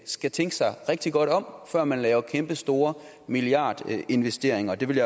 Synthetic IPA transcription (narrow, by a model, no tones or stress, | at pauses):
sɡ̥æt͡sʰeŋɡ̥əsɑ̈ɪʁɛɡ̥̚d̥iɡ̥ɒ̽ɾ̥ɒ̽m̰fɶɐ̰mænlɛːʊɐkʰemb̥əsd̥o̝ːɐ | miliɑ̰̈ːd̥e̝nʋesd̥e̝ɐ̰eŋɐd̥e̝ʋe̝lja